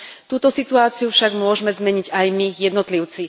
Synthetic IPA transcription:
t̪uːt̪ɔsit̪uaːt͡siufʃaɡmʊɔʒmɛzmɛɲiɟajmijɛd̪nɔt̪liʊt͡si

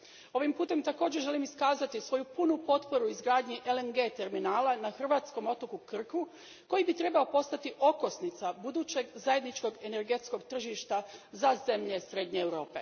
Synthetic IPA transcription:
o̞ʋimpuːt̪e̞mt̪ako̞ːd͡ʑeʒe̞limiskaːzat̪isʋo̞jupunupo̞t̪po̞ɾuizɡɾaːd̪ɲiʔelenɡe̞ːt̪e̞ɾminaːlanaxr̩ʋaːt̪sko̞mo̞t̪okukr̩ku | ko̞jibit̪ɾe̞bao̞po̞st̪at̪iʔo̞ko̞snit̪sabud̪uːt͡ɕe̞ɡzaje̞d̪nit͡ʃko̞ɡe̞ne̞ɾɡe̞t̪sko̞ɡt̪r̩ʒiʃt̪azaze̞mʎe̞sɾe̞d̪ɲe̞ːwɾo̞ːpe̞̰

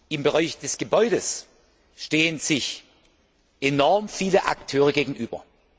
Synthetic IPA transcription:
ʔɪmbəʁaɪçd̥ɛsɡ̥əbɔʏɾəs | ʃteːənz̥ɪç | ʔenɔɐmfiːləʔa̰ktʰøːʁ̞əɡeːɡŋ̩ʔyːbɐ̰

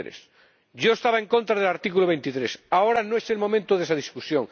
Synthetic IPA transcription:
ɾḛs | ɟ͡ʝoest̪aβaẽŋkont̪ɾaðelaɾt̪ikuloβejnt̪it̪ɾesaoɾanoeselmo̞mẽnt̪oðesaðiskusjoŋ

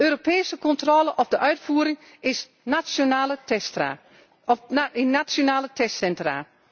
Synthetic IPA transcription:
øːɾopeːsəkɔntrɔləʔɔpdəʔœɥtfuːəɾɪŋ | ɪs | naonaːlə | ɪnat͡sjonaːlətʰɛstsɛntra̰ː

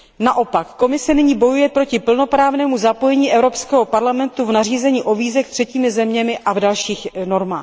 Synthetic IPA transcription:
naʔo̞pakːo̞mɪsɛnɪɲiːbo̞jujɛpɾo̞cɪpl̩no̞pɾaːvnɛːmuzapo̞jɛɲiːʔɛvɾo̞pskɛːɦopaɾlamɛnt̪uvnariːzɛɲiːʔo̞viːzɛxt̪r̝̥ɛciːmɪzɛmɲɛmɪʔavdalʃiːxno̞ɾma̰ː

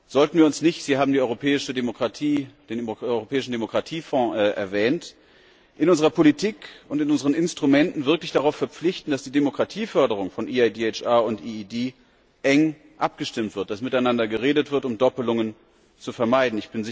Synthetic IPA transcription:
z̥ɔltn̩viːɐʊnsnɪçtz̥iːhaːbm̩diɔʏʁopʰɛːɪʃədemokʁ̥atʰiːd̥eːnɔʏʁopʰɛːɪʃn̩demokʁ̥atʰiːfɔ̃ːʔɛ̰ɐvɛːnt | ʔɪnʊnzəʁɐpʰolitʰiːkʊntɪnʔʊnzəʁ̞ənɪnstʁ̥umɛntn̩vɪɐklɪçd̥aʁaʊfːɛɐp͡flɪçtn̩d̥asd̥iːdemokʁ̥atʰiːfœɐdəʁ̞ʊŋfɔnʔiːaɪdeːɛt͡ʃʔaːʊntʔiːideː | ʔɛŋ | ʔap̚ɡ̥əʃtɪmtv̥ɪɐt̚d̥asmɪtaɪnandɐɡəʁeːdətv̥ɪɐtʊmdɔpəlʊŋən | t͡sufɛɐmaɪdn̩ɪçb̥ɪnzɪ

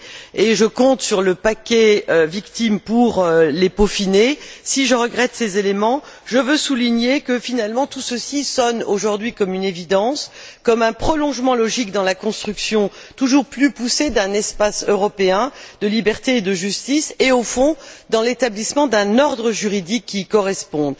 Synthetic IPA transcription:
eʒəkɔ̃t̪syʁləpakʲɛøvikt̪impuʁølepofinesiʒəʁəɡʁɛt̪sezelemɑ̃ʒəvøsuliɲekəfinalmɑ̃t̪usəsisɔnoʒuʁd̪ɥikɔmynevid̪ɑ̃skɔmɛ̃pχɔlɔ̃ʒmɑ̃lɔʒikd̪ɑ̃lakɔ̃st̪χyksjɔ̃t̪uʒuʁplypused̪ɛ̃nɛspasøʁɔpeɛ̃d̪əlibɛʁt̪eːd̪əʒyst̪iseofɔ̃d̪ɑ̃let̪ablismɑ̃d̪ɛ̃nɔʁd̪ʁəʒyʁid̪ikʰʲːikɔʁɛspɔ̃d̪

